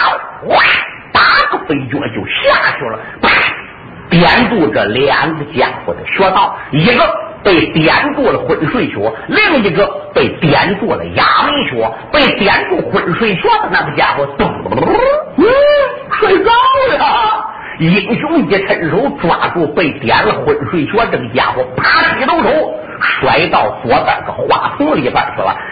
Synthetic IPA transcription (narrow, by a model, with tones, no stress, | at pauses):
a˥˩ | t̪a˥ɡ̥ə˧fe˧ɪt͡ɕwɔ˥˧˩t͡ɕjo˥˧˩ʊɕja˥˩ɕwɔ˧˥lə˨˩pa˧˩ | t̪jɛ˧˥nt͡swɔ˥˧ʈ͡ʂə̰˩lja˧˥nd̪ə˧t͡ɕja̰˧xwɔ̰˥˩ʈ͡ʂə̰˨˩ɕwɔ˥t̪ɑ˥˩ʊi˧˥ɡə˧pe˥˩ɪt̪jɛ˧˥nt͡swɔ˥˩lə˩xwə˧˥nʂwe˥˧ɪɕwɔ˧˥li˥˩ŋi˧˥ɡə˧pe˥˩ɪt̪jɛ˧˥nt͡swɔ˥˧lə̰˩ja˧˥mi˥˩ɕwɔ˧˥ | pe˥˩ɪt̪jɛ˧˥nt͡swɔ˥˩xwə˧˩nʂwe˥˧ɪɕwɔ˥d̪ə˨˧na˥˧˩ɡə˧t͡ɕja̰˧˩xwɔ˧˥t̪ʊ˨˩ŋ̩˧˥ | ʂwe˥˧˩ɪt͡sɑ˥˨˩ə˧ | i˨˩ŋɕjʊ˥i˧˩˧ʈ͡ʂʰə˧˥nʂo˧˥ʊʈ͡ʂwa̰˨˩t͡swɔ˥˧pe˥˩ɪt̪jɛ˧˥nlə˧xwə˧˩nʂwe˥˩ɪɕwɔ˥ʈ͡ʂɤ˥˩ɡə˩t͡ɕja̰˧˩xwɔ˧˥pʰa˥tʰi˧˥t̪o˥ʊʂo˧˥ʊ | ʂwa˧˥ɪt̪ɑ˥˩ʊswɔ˧˥t̪ə̰˨˩ɡ̪ə˧xwa̰˧˩t̪ʰʊ˥ŋli˧˥pa̰˧˩ɕwɔ̰˧˥la̰˧